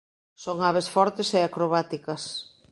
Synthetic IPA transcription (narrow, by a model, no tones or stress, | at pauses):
soŋaβ̞esfɔɾt̪eseakɾoβat̪ikɐs